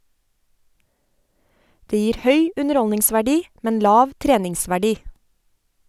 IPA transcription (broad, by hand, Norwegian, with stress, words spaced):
ˈdeː ˈjiːɾ ˈhœʏ ˌʉnəˈɾɔlnɪŋsʋæˌɖiː ˈmɛn ˈlɑːʋ ˈtɾeːnɪŋsʋæˌɖiː